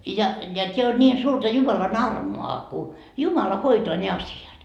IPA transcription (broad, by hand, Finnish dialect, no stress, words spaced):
jɑ jɑ tʲeæ on nʲiːn suːrtɑ jumɑlɑn ɑrmoɑ ku jumɑlɑ hoitoɑ ne ɑsiɑt